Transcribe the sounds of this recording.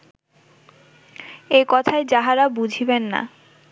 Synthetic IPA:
ekɔt̪ʰaed͡ʑaɦaɾabud͡ʑʱibenːa̰

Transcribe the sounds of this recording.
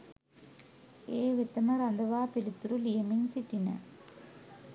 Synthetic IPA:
eːʋet̪ɐmɐɾɐnd̪ɐʋaːpelit̪ːuɾulijɐmiŋsiʈːinɐ̰

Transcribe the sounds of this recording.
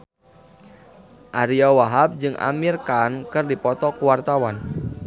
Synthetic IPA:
ʔaɾiawaɦap̚d͡ʒɨŋʔa̰mirkankɨrdipɔt̪ɔkuwart̪awan

